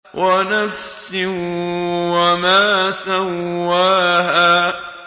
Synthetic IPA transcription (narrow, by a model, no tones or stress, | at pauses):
wʔanafsɪ | wamaːsawːaːɦaː